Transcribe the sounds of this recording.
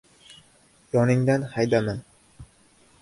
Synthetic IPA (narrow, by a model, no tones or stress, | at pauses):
jɒnɪŋd̪anhajd̪aman